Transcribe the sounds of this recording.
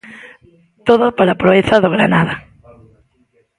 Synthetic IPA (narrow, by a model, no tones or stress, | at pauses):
t̪oðopaɾapɾoeθaðoɣɾanaða